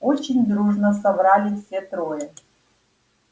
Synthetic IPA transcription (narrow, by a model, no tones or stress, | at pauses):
ot͡ɕɪnʲd̪ɾuʐnəsɐbɾalʲifsʲet̪ɾojə